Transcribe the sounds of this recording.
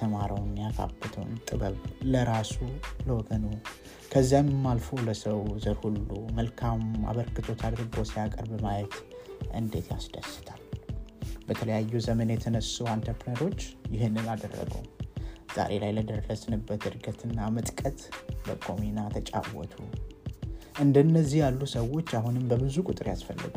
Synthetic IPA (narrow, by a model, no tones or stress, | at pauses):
əmaɾəwnjakʰa̰bɨt̪ʰəwnt̪ʼɨβəlləɾasuləwɔɡənu | kʰəzːammːalfo̞ləsəwzəɾhulːuməlkʰama̰βəɾkɨt̪ʰo̞t̪ʰad̪ɾɨɡo̞sijakʼəɾbəmajɛt̪ʔɨnd̪e̞t̪ʰjasd̪əsɨ̥t̪ʰal | bət̪ʰələjajːuzəmənjɛt̪ʰənəsuant̪ʰəpləɾo̞t͡ʃːjɪɦɨnːɨnad̪ərːə̰ɡə̰wz̥a̰ɾʔe̞lajləd̪əɾɾəsɨnɨbːət̪ɨɾɡət̪ʰɨnːamɨt̪ʼkʼət̪bəkʰʼominat̪ʰət͡ʃʼa̰wːɔ̰t̪ʰu | ʔɨnd̪ənːəzːihjalːusəwo̞t͡ʃːaɦunɨmbəbɨzukʼʊt̪ʼɨɾjasfəlːɨ̰ɡu